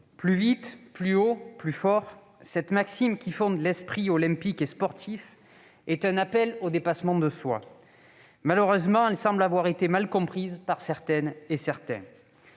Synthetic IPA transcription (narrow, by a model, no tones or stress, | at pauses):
plyvit̪plyoplyfɔʁ | sɛt̪maksimkʲifɔ̃d̪lɛspχiɔlɛ̃pikespɔʁt̪ʰif | ɛt̪ɛ̃napɛlod̪epasmɑ̃d̪əswa̰ | maløʁøzmɑ̃ɛlsɑ̃blavwaʁet̪emalkɔ̃pχizpaʁsɛʁt̪ɛnesɛʁt̪ɛ̰̃